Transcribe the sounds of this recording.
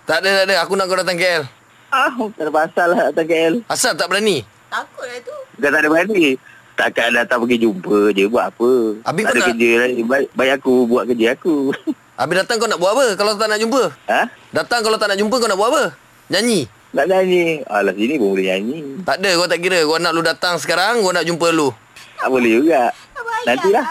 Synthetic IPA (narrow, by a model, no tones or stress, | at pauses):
t̪aʔdət̪aʔdəakunaʔkowdat̪̬aŋkeʔɛl | aht̪aʔdəpasalːahd̪at̪aŋkeʔɛlasalt̪aʔbəɾani | t̪akolait̪ubəkat̪aʔdəbəɾdi | t̪aʔkaʔdat̪aŋpəɡid͡ʒumpəd͡ʒəbuaʔapəa̰bɪadəkəd͡ʒəlaibaiʔbaiʔakubuaʔkəd͡ʒəaku | ʔabɪdat̪aŋkawnaʔbuaʔpəkalat̪at̪aʔnaʔd͡ʒumpəədat̪aŋkalat̪aʔnaʔd͡ʒumpəkanaʔbuaʔpə | ɲaɲi | naʔɲaɲia̰lasinibombulɪɲaɲit̪aʔdəɡat̪aʔkiɾəanaʔludat̪aŋs̬ə̥kaɾaŋɡanaʔd͡ʒumpəlu | t̪apəlɪd͡ʒuɡaʔ | nant̪ilah